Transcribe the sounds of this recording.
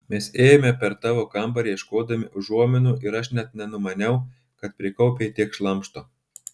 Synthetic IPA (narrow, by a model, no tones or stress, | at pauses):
mʲɛseːjomʲɛpʲɛɾt̪ɑːʋoːkɐmˑbɐɾʲiɛʃkoːd̪ɐmʲɪʔʊʒuɔmʲɪnuːʔɪɾɐʃnʲɛt̪̚nʲɛnʊmɐnʲɛʊ | kɐt̪̚pʲɾʲɪkɒʊpʲet̪ʲiɛkʃlˠɐmʃt̪oː